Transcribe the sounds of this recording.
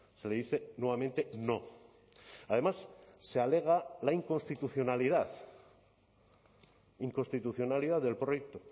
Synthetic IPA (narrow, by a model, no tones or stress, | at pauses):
se̞le̞ðiθe̞nwe̞βamẽnt̪e̞no̞ | aðe̞masːeale̞ɣ̞alaiŋko̞nst̪it̪uθjo̞naliðað | iŋko̞nst̪it̪uθjo̞naliðaððe̞lpɾojek̚t̪o